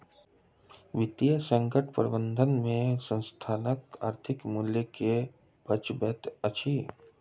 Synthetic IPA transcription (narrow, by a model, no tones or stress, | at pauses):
ʋɪt̪jəsə̃ŋkəʈ̚ʰpəɾəbə̃nd̪ʱənmẽsə̃nst̪ʰaːnəka̰ːɾt̪ʰɪkmuːljəke | b̥ət͡ʃbɛːt̪ət͡ʃʰi